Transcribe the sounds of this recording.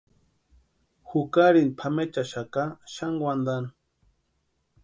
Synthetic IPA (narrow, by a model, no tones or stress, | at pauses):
xukaɾinpʰamet͡ʃaʃakaʃaŋɡwand̪an